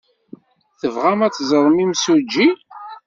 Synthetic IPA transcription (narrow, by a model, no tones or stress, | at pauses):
θəvʁamæt͡sːzˤəɾˤmimsud͡ʒːi